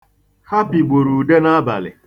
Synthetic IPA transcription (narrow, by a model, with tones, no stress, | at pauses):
ha˦pi˨ɡ͡bo˨ɾu˨de˦na˦ba̰˨lɪ̰˨